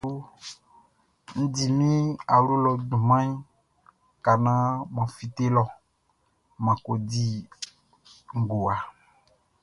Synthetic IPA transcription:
ñ̩˦di˨mĩ˦a˨wlu˦lɔ˨dũ˨mã˦ | ka˨nã˦mã˨fi˨t̪e˦lɔ˨ | mã˨ko˨di˦ | ŋ̩˨ɡo˨a˨

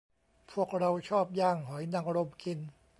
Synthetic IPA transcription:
pʰu˥˩ək̚ɾa˧wt͡ɕʰɔː˥˩p̚jaː˥˩ŋɦɔ˩˦jna˧ŋɾo˧mki˧n

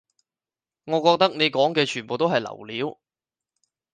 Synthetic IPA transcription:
ŋɔː˨˧kɔː˧k̚t̪ɐ˥k̚ne˨˧jkɔː˨˥ŋkɛː˧t͡ʃʰyː˨˩npo˨wt̪o˥wɦɐ˨jlɐ̰˨˩wliː˨˥w

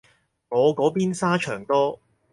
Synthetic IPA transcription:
ŋɔː˨˧kɔː˨˥piː˥nsaː˥t͡ʃʰœː˨˩ŋt̪ɔː˥

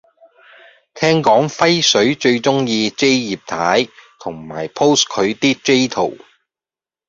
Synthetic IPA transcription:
t̪ʰɛː˥ŋkɔː˨˥ŋfɐ˥jsɵ˨˥ɥt͡ʃɵ˧ɥt͡ʃʊ˥ŋjiː˧t͡se˥jjiː˨p̚t̪ʰaː˨˥jt̪ʰʊ˨˩ŋma̰ː˨˩jpʰo˥wskʰɵ˨˧ɥt̪iː˥k̚t͡ʃe˥jt̪ʰo̰˨˩w

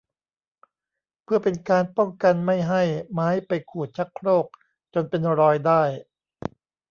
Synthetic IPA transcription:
pʰɯ˥˩ɐpe˧nkaː˧npɔ˥˩ŋka˧nma˥˩jɦa˥˩jmaː˦˥jpa˧jkʰuː˨˩t̪̚t͡ɕʰa˦˥kʰɾoː˥˩k̚ | t͡ɕo˧npe˧nɾɔː˧jdaː˥˩j

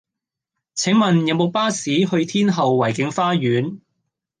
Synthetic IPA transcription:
t͡sʰɪ˨˥ŋmɐ˨njɐ˨ŋmo˨˧wpaː˥siː˨˥ɦɵ˧ɥt̪ʰiː˥nɦɐ˨wːɐ˨˩jkɪ˨˧˥ŋfaː˥jyː˨˥n

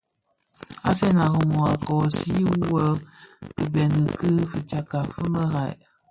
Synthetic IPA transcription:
a̰˦sɛ˦na˨ɣə˨mɔ˨a˨kɔ˨si˦ə˦kɨ˨bɛ˨nɨ˨kɨ˦fɨ˨t͡ʃa˨ka˨fɨ˦mə˦ɣa˨j

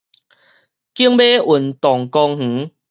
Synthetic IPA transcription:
ki˦əŋbe˦ʔu˨˩nt̪ɔ˨˩ŋkɔ˧ŋh̩˨˦

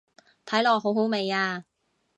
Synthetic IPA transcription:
t̪ʰɐ˨˥jlɔː˨˩k̚ɦo˨˥wɦo˨˥wme˨˧jaː˧

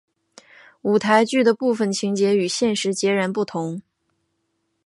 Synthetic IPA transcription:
u˨˩t̪ʰa˧˥ɪt͡ɕy˥˩d̪ə˩pu˥˩fə˨˩nt͡ɕʰi˧˥ŋt͡ɕjɛ˧˥y˨˩ɕjɛ˥˩nʂɻ̩˧˥t͡ɕjɛ˧˥ɻa˧˥npu˥˩t̪ʰʊ˧˥ŋ

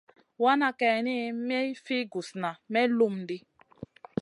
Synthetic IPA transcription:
wa˦na˦kɛ˨ni˦me˦fi˦ɡu˨sna˨me˦lu˦m˦dɪ˦

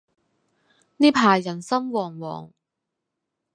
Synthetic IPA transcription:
niː˥pʰaː˨˩jjɐ˨˩nsɐ˥mwɔː˨˩ŋwɔ̰ː˨˩ŋ

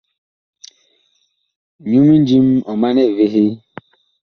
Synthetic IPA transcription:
ɲu˦mi˦n˦d͡ʒi˦m̩˦ɔ˨ma˦ne˦˨ve˦ɦɪ˦

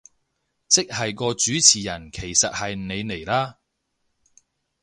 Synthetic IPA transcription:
t͡sɪ˥k̚hɐ˨jkɔː˧t͡ʃyː˨˥t͡sʰiː˨˩jɐ˨˩nkʰe˨˩jsɐ˨t̚hɐ˨jne˨˧jne˨˩jlaː˥

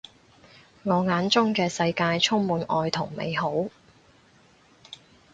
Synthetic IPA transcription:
ŋɔː˨˧ŋaː˨˥nt͡sʊ˥ŋkɛː˧sɐ˧jkaː˧jt͡sʰʊ˥ŋmuː˨˧nɔː˧jt̪ʰʊ˨˩ŋmḛ˨˧jho˨˥w

